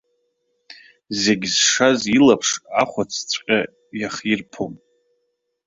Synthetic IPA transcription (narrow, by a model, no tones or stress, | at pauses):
ze̞ɡʲzʂazilapʰʂaχʷat͡sʰt͡sʷʰʼqʲʼa | jaχirpʰom